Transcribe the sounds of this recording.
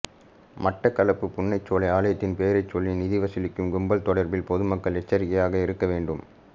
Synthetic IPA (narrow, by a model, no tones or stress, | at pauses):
mɐʈːɐkɐlɐpːɯpʊnːɐɪt͡ʃːoːlɐɪaːlɐjɐt̪ːɪnpeːɾɐɪt͡ʃːɔlːinɪðɪʋɐsɪlɪkːɯmɡʊmbɐlt̪ɔɽɐɾbɪlpɔðɯmɐkːɐɭɛt͡ʃːɐɾɪɣɐjaːɣɐɪɾɯkːɐʋeːɳɖɯm